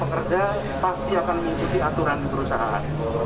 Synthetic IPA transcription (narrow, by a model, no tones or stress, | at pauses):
pəkərd͡ʒa | past̪iakanməŋikut̪iat̪uɾanpəɾusaɦaʔa̰n